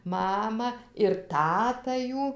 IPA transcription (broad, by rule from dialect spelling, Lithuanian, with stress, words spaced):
ˈmɑːmɐ ɪr ˈtɑːtɐ ˈjuː